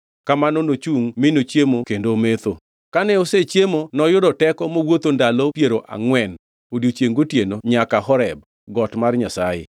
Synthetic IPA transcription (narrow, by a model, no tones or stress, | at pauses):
kamanonot͡ʃuŋmɪnot͡ʃjemokendomet̪o | kanɛoset͡ʃjemonɔjʊdɔtɛkɔmowot̪ondalopjeɾoʔa̰ŋwɛn | odjot͡ʃeŋɡotjenoɲakaɦɔɾɛb̚ | ɡɔtmarɲasajḛ